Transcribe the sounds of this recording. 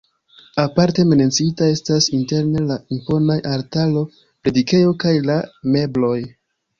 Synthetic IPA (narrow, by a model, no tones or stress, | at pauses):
apaɾte̞me̞net͡siitae̞stasinte̞ɾne̞laimpo̞najaɾtalo̞ | pɾe̞dike̞jo̞kajlame̞blo̞j